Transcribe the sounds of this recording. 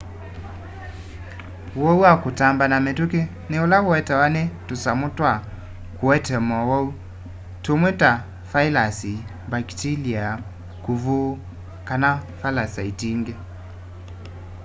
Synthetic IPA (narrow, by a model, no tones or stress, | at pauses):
wɔuakutambanametuke | neolawɔɛtɛwanetusamutwa | kuɛtɛmɔwɔu | tomweta | failasi | baktiliaa | kuvu | kanafalasaitiŋɡe